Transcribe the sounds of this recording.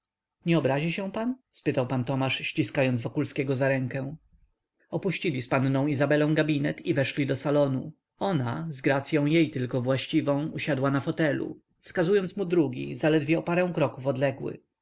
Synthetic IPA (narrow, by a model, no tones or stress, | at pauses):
ɲɛɔbɾaʑiɕɛ̃panspɘt̪awpant̪ɔmaʂɕt͡ɕiskajɔnd̪zvɔkulskʲɛɡɔzaɾɛŋkɛ̃ | ɔpuɕt͡ɕilʲispannɔ̃w̃izabɛlɔ̃w̃ɡabʲinɛt̪ivɛʂlʲid̪ɔsalɔnu | ɔnazɡɾat̪sʲjɔ̃w̃jejt̪ɘlkɔvwaɕt͡ɕivɔ̃w̃uɕad̪wanafɔt̪ɛlṵ | fskazujɔnt̪smud̪ɾuɡʲḭzalɛd̪vʲjɛɔpaɾɛ̃w̃kɾɔkufɔd̪lɛɡwɘ̰